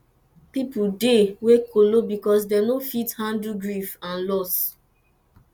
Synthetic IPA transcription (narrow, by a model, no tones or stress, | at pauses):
pipudewekʰolobikɔs̬dɛnofithãndluɡɹifãnlɔs